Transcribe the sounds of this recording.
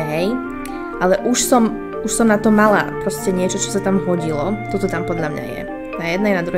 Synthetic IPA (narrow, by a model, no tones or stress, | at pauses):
ɦɛj | ʔalɛʔuʃsɔm | uʃsɔmnat̪ɔmːala̰pɾɔscɛɲɪɛt͡ʃɔt͡ʃɔ̥sat̪amɦɔɟilɔt̪ɔt̪ɔt̪ampɔd̪ʎamɲa̰jɛ̰ | najɛd̪nɛjnad̪ɾu